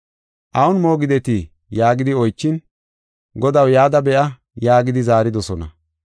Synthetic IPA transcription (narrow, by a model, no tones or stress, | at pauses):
ʔɐwʊnmo̞ːɡɪd̪ɛt̪i | jaːɡɪd̪ɪɔjt͡ʃːɪn | ɡɔd̪ɐwjaːd̪ɐbɛʔɐ | jaːɡɪd̪ɪzaːɾɪd̪ɔsɔnɐ̰